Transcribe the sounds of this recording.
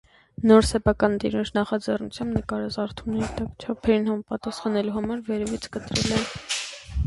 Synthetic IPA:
nɔɾsɛpʰɑkɑnd̪ḭɾunt͡ʃʰnɑχɑd͡zɛrnut͡sʰjɑmbnəkɑɾɑt͡sɑɾt̪ʰumnɛɾit̪ɑkt͡ʃʰɑpʰɛɾinhɑmɑpɑt̪ɑsχɑnɛluɦɑmɑɾvɛɾɛvit͡sʰkət̪ɾɛ̰lɛn

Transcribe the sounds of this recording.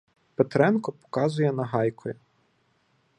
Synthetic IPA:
pet̪ɾɛnkɔpɔ̥kɑzʊjɛnɐɦɑjkʰɔjʊ

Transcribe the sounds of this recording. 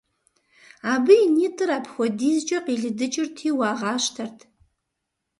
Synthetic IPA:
abɨinitʼɨɾapʰχʷadizt͡ʃʼaqʼiɮdɨt͡ʃʼɪrtʰiwaʁaʃtʰartʰʼ

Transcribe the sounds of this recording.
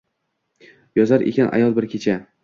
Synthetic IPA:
jɒzaɾʔḛkʲanʔa̰jɒlˠbɪɾkʲʰet͡ʃʰa

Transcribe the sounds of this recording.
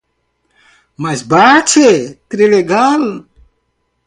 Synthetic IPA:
mɐsbaːt͡ɕʰet̪ɾileɡaːl

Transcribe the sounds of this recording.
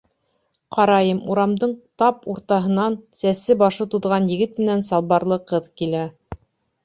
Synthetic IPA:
qɑɾɑjɤmuɾɑmd̪ɤɴt̪ɑpuɾt̪ɑɦɤ̆nɑnsæsɘbɑʃɤt̪uðʁɑnjɘ̆ɡɘt̪̚mɘ̆nænsɑlˠβɑɾlˠɤqɤðkilæ

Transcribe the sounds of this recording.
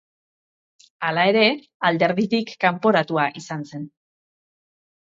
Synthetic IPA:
alae̞ɾe̞ | ald̪e̞ɾðit̪ikːampo̞ɾat̪uaʔisanse̞n

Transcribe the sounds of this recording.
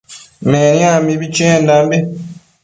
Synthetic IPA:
menjaːmiβiceːndambi

